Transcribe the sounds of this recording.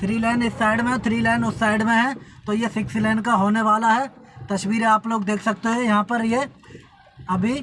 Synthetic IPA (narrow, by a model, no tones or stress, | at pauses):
t̪ʰɾiːlɛːnɪsːaːɪɖmẽt̪ʰɾiːlɛːnʊsːaːɪɖmẽɦɛ̃t̪oːjesɪkslɛːɳɖkaɦoːneʋaːlaɦɛ | t̪ɐʃwiːɾeaːploːɡd̪eːkʰsɐk̚t̪eɦɛ̃jɐɦãpɐɾje | ɐbʱi